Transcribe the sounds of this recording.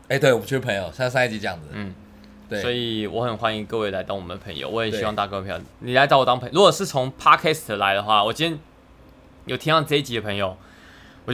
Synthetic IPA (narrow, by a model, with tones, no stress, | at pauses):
e˥ɪt̪we˩ɪwɔ˨p̬u˥t͡ɕʰy˥˩ə˧pʰə˧˥ŋjo˨˩ʊsa˥˧s̬a˥n˥˩t͡ɕi˧˥ʈ͡ʂɤ˥˧jɑ˥˩ŋd͡z̩˩n̩˥˩ | t̪we˥swɔ˧˥i˨˩wʔɔ˧˥xə˨˩nxwa˧˥ni˧˥ŋkɤ˥˧we˥˩ɪla˧˥ɪt̪ɑ˥˩ŋwɔ˨˩ə˦nə˦pʰɤ˧˥˦ŋjo̰˨˧ʊwɔ˧˥jɛ˨˩ɕii˥wɑ˥˧ŋt̪a˥˧kɤ˥˧e˥˩pʰj̰ni˨˩la˧˥t̪ɑ˥˩ʊwt̪ɑ˥ŋpʰɻu˧˥kwɔ˨˩ʂɻ̩˥˩t͡sʰʊ˧˥ŋpʰɑ˥kʰɛ˥st̪ʰla˧˦ɪd̪ə˧xwa˥˩wɔ˨˩t͡ɕʰi˥jɛ˥n | jo˨˩t̪ʰi˥ŋɑ˥˧ʈ͡ʂɤ˥˧i˥˩t͡ɕi˨˥ə˧pʰɤ˧˥ŋjo˨ʊ | wɔ˨˩t͡ɕo˥